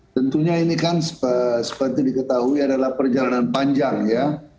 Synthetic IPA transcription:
t̪ənt̪uɲainikansə̥əsə̥pərt̪idikət̪aɦuiadalahpərd͡ʒalananpaɲd͡ʒaŋja

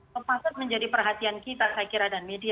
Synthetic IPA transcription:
opasʊt̪̚məɲd͡ʒadipərɦat̪iankit̪akajakiɾadanmedia

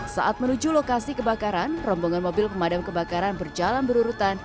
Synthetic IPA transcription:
sa̰ʔat̪̚mənud͡ʒulokasikəbakaɾanrɔmboŋanmobɪlpəmadamkəbakaɾanbərd͡ʒalanbəɾuɾut̪an

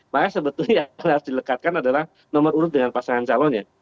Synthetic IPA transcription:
makasəbət̪ʊlɲajaasdiləkat̪̚kanadalah | nɔməruɾʊt̪̚dəŋanpasaŋant͡ʃalɔɲa

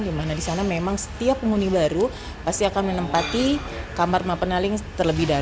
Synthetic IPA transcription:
dimanadisanamemaŋsə̥t̪iapːəŋunibaɾu | past̪iakanmənəmpat̪i | kamarmapənalɪŋt̪ərləbɪhda

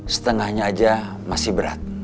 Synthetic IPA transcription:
sə̥t̪əŋahɲaːd͡ʒa | masɪhbəɾa̰t̪̚

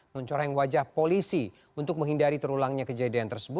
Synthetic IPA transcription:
ŋant͡ʃoɾajaŋwad͡ʒahpolisi | unt̪ʊk̚məŋɦindaɾit̪əɾulaŋɲakəd͡ʒadiant̪ərsəbʊ

